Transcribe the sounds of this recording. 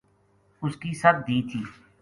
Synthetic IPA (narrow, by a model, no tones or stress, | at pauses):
ʊskisɐb̚d̪iːt̪ʰiː